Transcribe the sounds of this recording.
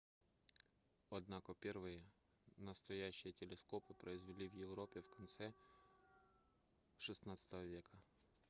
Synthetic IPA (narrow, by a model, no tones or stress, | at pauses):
ɐd̪nakopʲervɨjə | nəst̪ɐjæɕːɪjətʲɪlʲɪskopɨpɾəɪzvʲɪlʲivjɪvɾopʲɪfkɐnt̪sɛ | ʂɨsnat̪sə̥t̪əvəvʲekə